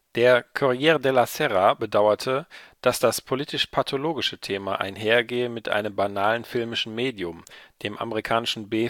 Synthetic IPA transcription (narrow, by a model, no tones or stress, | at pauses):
d̥eːɐkʰɔʁijɛːʁdɛlasɛʁabədaʊɐtʰəd̥asd̥aspʰoliːtɪʃpʰatʰoloːɡɪʃətʰeːmaʔa̰ɪnɦeːɐɡeːəmɪtʔa̰ɪnəmbanaːlənfɪlmɪʃn̩meːdjʊmd̥eːmʔa̰məʁikʰaːnɪʃn̩be